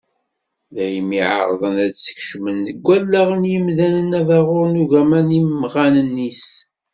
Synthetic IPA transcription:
ðæjəmiʕa̰ɾˤðˤənædsə̥kʃmənðəɡʷːælːæʁənjəmðænənævæʁʊɾnuʝæmænimːʁænənːis

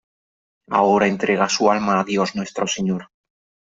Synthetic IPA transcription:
a̰oɾaent̪ɾe̞ɣ̞asualmaːðjo̞znwe̞st̪ɾoseɲoɾ

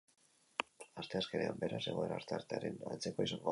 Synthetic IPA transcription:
ast̪e̞aske̞ne̞ambe̞ɾase̞ɣ̞o̞e̞ɾaɾt̪eaɾt̪eaɾe̞na̰nt͡se̞ko̞isaŋɡo

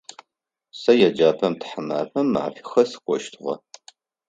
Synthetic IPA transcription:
sɐjɛd͡ʒaːpʰɐmtʰħəma̰ːpʰɐmːa̰ʕ̰fi̥xɐsɨ̥qʷɔʃtʰɨʁɐ̰

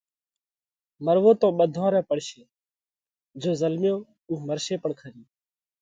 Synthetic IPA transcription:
məɾʋoːt̪õːɓəd̪ʱõːɾɛ̃ːpəɽʃeː | d͡ʒoːzəlmjõː | uːɦməɾʃeːpəɳkʰəɾiː

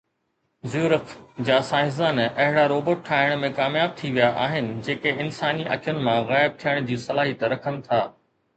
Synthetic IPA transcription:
zjuːɾəfd͡ʑaːsãːɦɪzaːnɐɦɪɽaɾoːbəʈ̚ʈʰːaːɦɪɽ̃mẽkaːmjaːb̚t̪ʰiʋijaʔaːɦɪnɪ̆d͡ʑeːkeɪnsaːniʔɐ̰kʰjʊnɪ̆mãɣaːɪb̚t̪ʰijəɽ̃d͡ʑiːsɐlaːɦit̪ɐɾɐkʰənɪ̆t̪ʰaː

